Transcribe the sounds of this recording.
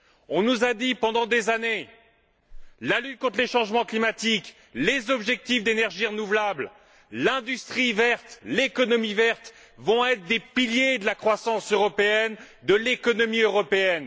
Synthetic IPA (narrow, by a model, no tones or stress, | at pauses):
ɔ̃nuzad̪ipɑ̃d̪ɑ̃d̪ezane | lalyt̪̚kɔ̃t̪χleʃɑ̃ʒmɑ̃klimat̪ik | lezɔbʒɛk̚t̪ifd̪enɛʁʒiʁənuvlabl | lɛ̃d̪yst̪χivɛʁt̪lekɔnɔmivɛʁt̪ | vɔ̃ɛt̪χd̪epiljed̪əlakχwasɑ̃søʁɔpeɛn | d̪əlekɔnɔmiøʁɔpeɛn